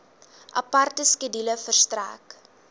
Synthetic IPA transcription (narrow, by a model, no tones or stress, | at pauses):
ʔɐpɐrtəskədiləfərstræ̰ːk